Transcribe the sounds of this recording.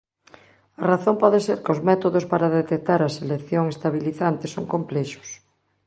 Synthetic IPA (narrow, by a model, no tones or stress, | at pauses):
ɐraθompɔðeseɾkozmɛt̪oðospaɾaðet̪ek̚t̪aɾɐselekθjoŋest̪aβiliθant̪ɪsoŋkomplɛʃʊ̥s